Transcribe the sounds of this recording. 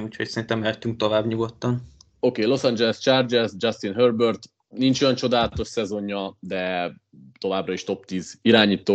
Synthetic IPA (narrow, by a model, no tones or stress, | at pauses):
uːcʰhocsɛɾint̪ɛmɛt̪ːyŋk̚t̪o̞vaːbɲuɡo̞t̪ːɒn | o̞keːlo̞sɒnd͡ʒɛlɛst͡ʃard͡ʒɛsd͡ʒɒst̪inɦørbørt̪ | nint͡ʃo̞jɒnt͡ʃo̞d̪aːlɒt̪o̞ʃsɛzo̞ɲːɒd̪ɛ | t̪o̞vaːbrɒiʃt̪o̞pt̪iːziɾaːɲiːt̪oː